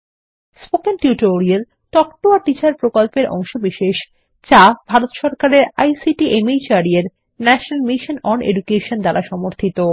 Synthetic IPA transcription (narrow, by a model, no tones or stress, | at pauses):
spokenʈiuʈoɾiel | ʈɔkʈoaɾʈit͡ɕaɾpɾokolpeɾɔ̰ŋʃobiʃeʃ | t͡ɕabʱaɾot̪ʃɔɾkaɾeɾa̰jsiʈiʔemejt͡ɕaɾieɾ | nɛʃonalmiʃonɔnḛɖukeʃond̪alaʃɔmoɾt̪ʰit̪o